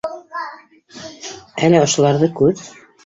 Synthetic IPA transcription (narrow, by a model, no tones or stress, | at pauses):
ælɘŏʃŏlˠɑɾðɤkʉɾ